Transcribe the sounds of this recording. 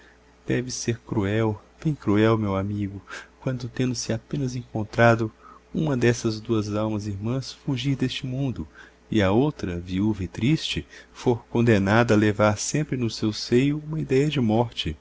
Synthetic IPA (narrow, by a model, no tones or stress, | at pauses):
d̪̥ɛvɪseɾkɾuɛwb̥ẽj̃kɾuɛwmewamiɡʊkwɐ̃nd̪ʊt̪ẽnd̪ʊsɪapẽnɐzẽŋkõnt̪ɾad̪ʊũmɐd̪ɛsɐzd̪uɐzawmɐziɾmɐ̃sfuʒiɾd̪est͡ʃɪmũnd̪ʊ | ɪɐowt̪ɾɐviuvɐɪt̪ɾist͡ʃɪfoɾkõnd̪enad̪ɐɐlevaɾsẽmpɾɪnʊsewsejʊũmɐid̪ɛjɐd͡ʒɪmɔɾt͡ʃɪ